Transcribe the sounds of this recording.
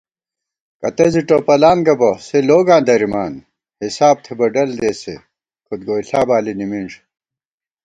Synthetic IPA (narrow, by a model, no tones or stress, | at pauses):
kɐt̪ɐziʈopɐlaːnɡɐboseloːɡãːnd̪ɐɾimaːn | hisaːb̚t̪ʰebɐɖɐld̪eːsḛ | kʰut̪̚ɡoːiɬaːbaːlinimiɳʐ